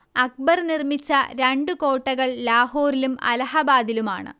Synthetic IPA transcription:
ɐk̚bɐrnirmit͡ɕːɐɾeɳɖɨko̞ːʈːɐɣɐɭlaːɦoːrilumɐ̰lɐɦɐbaːd̪iluma̰ːɳɨ̰

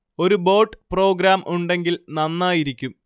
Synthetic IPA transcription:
o̞ɾubo̞ːʈːpro̞ːɡɾaːmʔuɳɖe̞ŋɡilnɐnːaːjiɾikʲːum

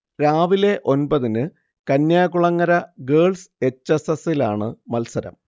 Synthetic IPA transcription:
ɾaːʋile̞ʔo̞nbɐðinɨ | kɐnːjaːkuɭɐŋːɐɾɐɡeːɭse̞t͡ɕːɐsɐsilaːɳɨmɐlsɐɾɐ̰m

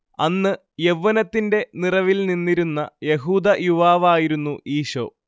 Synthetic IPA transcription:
ɐnːɨ | je̞ʋːɐnɐt̪ːinde̞nirɐʋilninːiɾunːɐje̞ɦuːd̪ɐjuʋaːʋaːjiɾunːuʔiːɕo̰ː

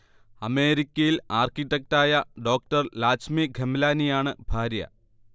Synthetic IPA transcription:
ɐme̞ːɾikʲːɐjilaːrkiʈːek̚taːjɐɖo̞ːk̚ʈɐrlaːt͡ɕmiɡʱemlaːnijaːɳɨbʱaːɾjɐ̰

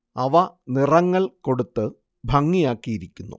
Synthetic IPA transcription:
ɐʋɐnirɐŋːɐɭko̞ɽut̪ːɨ | bʱɐŋːijaːkːijiɾikʲːunːṵ

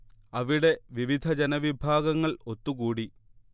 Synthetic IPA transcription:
ɐʋiɽe̞ʋiʋid̪ʱɐd͡ʑenɐʋibʱaːɡɐŋːɐɭo̞t̪ːuɣuːɽi

